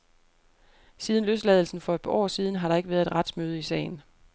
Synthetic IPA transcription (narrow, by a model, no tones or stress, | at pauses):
siːð̞ˠnløsd̥lɛːðˠl̩sn̩fɒ̽e̥pʰɑʔɒ̰ːsiːð̞ˠn̩ɦɑ̈ɾ̥ɑ̈e̝ɡ̥əʋæɐðˠed̥ʁäd̥smøːð̞ˠəisɛ̰ːɪn̩